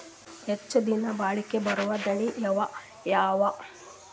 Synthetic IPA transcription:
het͡ʃːɐd̪inɐbaːɭikebɐɾuʋɐd̪ɐɳijɐʋɐ | jaːʋɐ

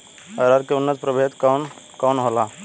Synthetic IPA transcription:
əɾaɾkeʊnːət̪̚pɾəbʱet̪kaːn | kɔːnɦola

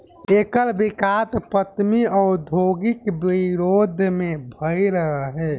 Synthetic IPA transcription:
ekəlbikat̪pət̪miɔɾd̪ʱoɡɪkbiɾod̪ʱmebʱəjɾəɦəɦɛː

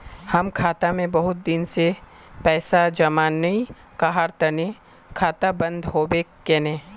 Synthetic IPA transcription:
hɐmkʰaːt̪amẽbɐɦʊt̪̚d̪ɪnse | pɛːsad͡ʒɐmaːnːɐĩ | kaɦaːɾt̪əne | kʰaːt̪abɐ̃nd̪ɦoːbe | eːnẽː

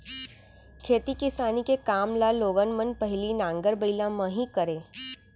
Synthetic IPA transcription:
kʰeːt̪ikɪsaːnikekaːmlaloːɡənmənpɐɦlinãːŋɡəɾbəɪlãmə̃ɦikəɾẽː

